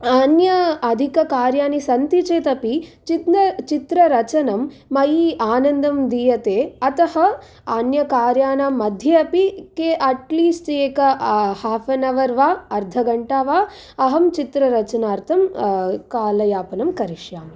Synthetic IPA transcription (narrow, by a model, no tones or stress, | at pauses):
ɐnjɐːd̪ʱikɐkaːɾjaːnisɐnt̪it͡ʃeːt̪ɐpit͡ʃit̪nɐt͡ʃit̪ɾɐɾɐt͡ʃɐnɐmː | ɐjiaːnɐnd̪ʱɐmd̪iːjɐt̪eːɐt̪ɐhɐ | anjɐkaːɾjaːnaːmːɐd̪ʱjɐɐpikeːʔɐʈliːsʈeːkɐhaːfɐnɐʋɐɾʋaːɐɾd̪ʱɐɡɐɳʈaːʋaː | ɐɦɐmt͡ʃit̪ɾɐɾɐt͡ʃɐnaːɾt̪ʰɐmkaːlɐjaːpɐnɐmkɐɾiʂjaːm